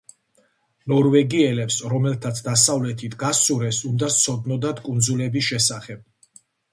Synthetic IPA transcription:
nɔɾvɛɡiɛlɛpsɾɔmɛlt̪ʰat̪sʰd̪asavlɛt̪ʰit̪ʰɡasuɾɛsund̪at̪sʰɔd̪nɔd̪ad̪kʼund̪zulɛbisʃɛsaχɛb̥̚

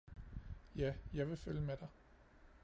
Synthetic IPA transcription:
jæjɑ̈ɪʋe̝føljəmed̥ɑ̈ɪ

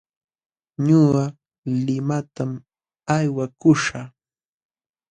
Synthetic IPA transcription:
ɲʊɢɑ | lɪmat̪am | ajwakʊʃa

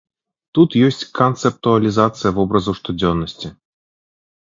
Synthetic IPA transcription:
t̪ut̪jɔsʲt͡sʲkɐnt̪sɛp̚t̪uɐlʲizat̪sɨjɐvɔbɾɐzɐwʂt̪ud͡zʲɔnːɐsʲt͡sʲi

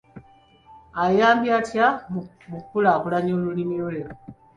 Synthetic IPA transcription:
ajaːmbjatja | mukpulakulaɲoːlulimiolelo

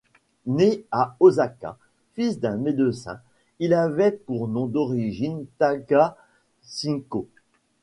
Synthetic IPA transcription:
neaozaka̰ | fisd̪ɛ̃med̪əsɛ̰̃ | ilavɛpuʁnɔ̃d̪ɔʁiʒint̪aɡa | sĩko

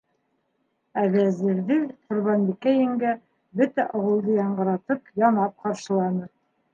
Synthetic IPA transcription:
æɡæzɘ̆ɾðɘqŏɾβɑnbikæjɘ̆ŋɡæ | bɵt̪æʔɑwɤ̆lˠd̪ɤjɑɴɢɤ̆ɾɑt̪ɤpjɑnɑp̚qɑɾʃɤ̆lˠɑnɤ

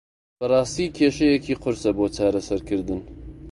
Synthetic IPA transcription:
b̥ɐrˤɑːst̪iːkʰeːʃɐjekʰiːqʰʊɾsɐboːt͡ʃʰaːɾɐsɐɾkʰɨɾd̪ɨn

